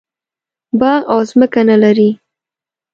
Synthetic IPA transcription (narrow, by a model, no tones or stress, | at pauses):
baʔɑzməkanalaɾi